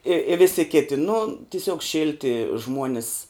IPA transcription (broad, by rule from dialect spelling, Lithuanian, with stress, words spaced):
ɪ ɪ ˈʋʲɪsʲɪ ˈkʲɪtʲɪ nʊ tʲɪˈsʲuɔk ˈʃʲɪlʲtʲɪ ˈʒmuɔnʲɪs